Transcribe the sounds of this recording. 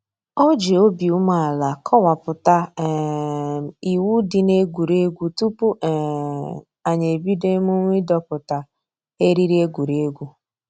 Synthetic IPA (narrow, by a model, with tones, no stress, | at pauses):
ɔ˦d͡ʒe˨o˦bi˨u˦ma˨a˨la˨kʰɔ˦wa˨pʊ˨ta˦ | i˨wu˦dɪ˨ne˦ɡʷu˨ɾe˦ɡʷu˦tu˦pu˦ʔ | a˨ɲe˨bi˦de˦mu˦ŋʷ˦i˦dɔ˦pʊ˨ta˨ | e˦ɾi˦ɾi˦e˦ɡʷu˨ɾe˦ɡʷu˦